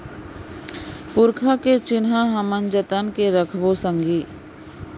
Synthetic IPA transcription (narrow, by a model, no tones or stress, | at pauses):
pʊɾkʰaket͡ʃɪnɦãɦəmənd͡ʒət̪ənkeɾəkʰʋosə̃ŋɡiː